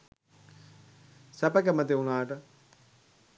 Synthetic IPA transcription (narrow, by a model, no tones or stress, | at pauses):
sæpɐkɛmɐt̪eunaːʈə